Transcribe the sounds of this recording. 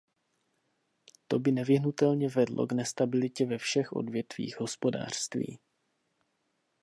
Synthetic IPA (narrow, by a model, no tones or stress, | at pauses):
t̪o̞bɪnɛvɪɦnut̪ɛlɲɛvɛdlʔo̰ɡnɛst̪abɪlɪcɛvɛfʃɛxʔo̞̰dvjɛt̪vḭːɣɦo̞spo̞da̰ːr̥st̪vḭː